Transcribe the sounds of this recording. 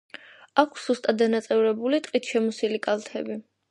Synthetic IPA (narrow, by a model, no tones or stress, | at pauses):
akʰsz̥ust̪ʼad̪ːanat̪sʼɛvɾɛbulit̪ʼqʼit̪ʰʃɛmusilikʼalˠt̪ʰɛbi